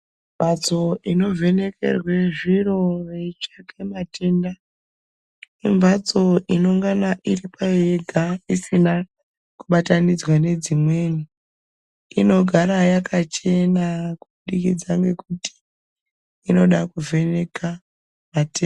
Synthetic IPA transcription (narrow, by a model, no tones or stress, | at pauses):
mvat͡so̞ino̞vʱe̞ne̞kʰe̞̰rwe̞ʐiro̞ret͡ʃakʰe̞mate̞nda | imvat͡so̞ʔino̞ŋɡanaʔiripajeɡʱaisina | kuɓatanid͡zwane̞d͡zimwe̞ni | ino̞ɡʱaɾajakat͡ʃe̞nakuɓuɗikid͡zaŋɡe̞kuti̥ | ino̞ɗakuvʱe̞ne̞ka | mate